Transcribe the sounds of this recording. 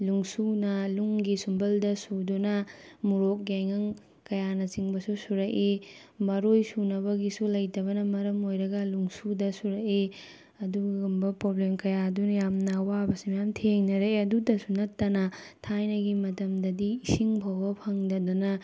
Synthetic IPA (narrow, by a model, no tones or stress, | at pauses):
luŋsunɐluŋɡisumbɐldɐsudunɐmuɾok̚ɡeŋɐŋ | kɐjanɐt͡ʃiŋbɐsusuɾɐkemɐɾojsunɐbɐɡisulɐjtɐβɐnɐmːɐɾɐmojɾɐɡɐluŋsudɐsuɾɐke | ɐduɡɡɐmbɐpɾoblemkɐjadunɐjamnɐwabɐsimɐjamtʰeŋnɐɾeeɐdudɐsunɐtːɐnɐ | tʰajnɐɡimɐtɐmdɐdiːsiŋbʱɐwbɐpʰɐŋdɐdunɐ